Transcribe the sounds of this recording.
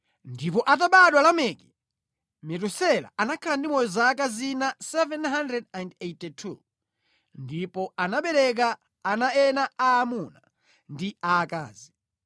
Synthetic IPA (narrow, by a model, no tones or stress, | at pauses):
ndipɔʔat̬aɓaɗwalamɛːkɛ | mɛt̬usɛla̰anakʰalandimɔjɔzakazinasɛvɛnɦandɾɛdɛndetɛtʰṵ | ndipɔanaɓɛɾɛk̬aː | naɛnaaːmuna | ndiaːka̰ːzi